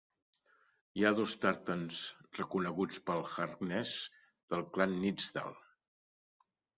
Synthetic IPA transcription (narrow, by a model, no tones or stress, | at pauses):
iaðost̪aɾt̪ənsrəkunəɣut͡spəlˠxəɾnɛz | ð̥əlˠklanːid͡zd̪a̰lˠ